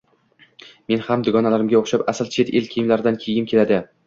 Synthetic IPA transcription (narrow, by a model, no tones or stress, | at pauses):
me̞nhamd̪ɪɡɒnalaɾɪmɡʲaoχʃapasɪlt͡ʃʰe̞t̪elkʲʰejmlaɾɪd̪ankʲʰe̞jɪnkʲʰe̞lad̪ɪ